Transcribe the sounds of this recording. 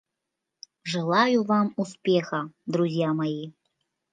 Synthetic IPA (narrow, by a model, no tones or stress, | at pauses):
ʐɨlˠajuvamuspʲexɐd̪ɾuzʲjamɐji